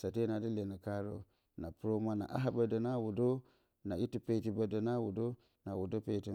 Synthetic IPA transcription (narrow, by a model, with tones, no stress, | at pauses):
sa˨te˦na˨di˦le˨na˨ka˦ɾo̰˦ | na˨pɾo˦ma˦na̰˨ʔa̰˦ɦa˦ba˨do˨na˦wu˨do˦ | na˨i˦ti˦pe˦ti˨ba˨da˨na˦wu˨do˦ | na˨wu˨do˦pe˦˨ti˦